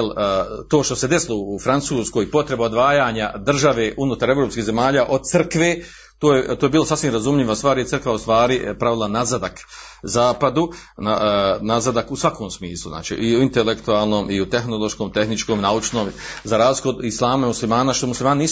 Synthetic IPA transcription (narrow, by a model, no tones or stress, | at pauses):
lt̪oːʃt̪ose̞d̪eslˠoːfɾant̪suːsko̞jipo̞t̪ɾe̞baod̪ʋaːjaːɲad̪r̩ʒaʋe̞ːʔunuːt̪aɾe̞vɾo̞ːpskiːze̞maːʎaːʔo̞d̪̚t̪srkʋeː | t̪oːjet̪oje̞biːlosasʋimɾazumʎiʋast̪ʋaːɾjesɾr̩kʋaust̪ʋaːɾipɾaʋilˠanazad̪ak | zaːpad̪u | nanazad̪akusʋako̞ːmsmiːslˠṵzna̰ːt͡ʃḭʔiuint̪elekt̪uaːlˠno̞ːmʔiut̪e̞xno̞lo̞ʃkoːmt̪e̞xnit͡ʃkoːmnaut͡ʃno̞ːmzaɾaːzlikod̪islˠaːmaimuslimaːnaʃt̪omuslimaːniniː